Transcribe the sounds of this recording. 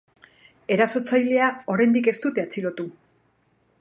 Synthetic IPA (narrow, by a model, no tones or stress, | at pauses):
e̞ɾaso̞t͡sajle̞ao̞ɾejnd̪ike̞st̪ut̪e̞at͡siɾo̞t̪u